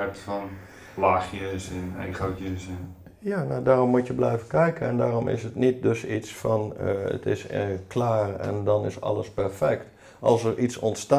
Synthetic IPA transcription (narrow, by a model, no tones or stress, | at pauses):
ɛtfɔn | laːxjəsɪnɛ̰χokjəsɪn | jaːnadaːromːutjəblɛjvəkɛjkəɛndaːromʔɪ̰sətnit̚døsitsfɔnə̰tʰɪ̰skʰlaːrɛ̰ndɔnɪsɔ̰ləspɛrfɛkt | ʔɑ̰lˠsərʔisɔntsta